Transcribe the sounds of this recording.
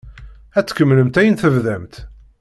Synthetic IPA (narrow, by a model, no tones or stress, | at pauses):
æt͡sːkːəmːləmt̪æjənθəvðæmt̪